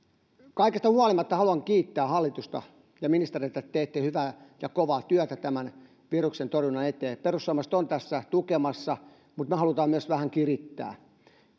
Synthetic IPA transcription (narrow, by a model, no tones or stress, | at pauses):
kɑikest̪ɑhuɑlimɑt̪ːɑhɑluɑŋkiːt̪ːæːhɑlːit̪ust̪ɑ̰ | jɑminist̪erieit̪ætt̪eːt̪ːehyʋæjɑkoʋɑːt̪yœt̪æt̪æmæn | ʋiruksent̪orjunɑnet̪eːperusːoɑːmɑst̪ont̪æsːæt̪ukemɑsːɑ | mut̪mehɑlut̪ɑːmyøsʋæhæŋkirit̪ːæ̰ː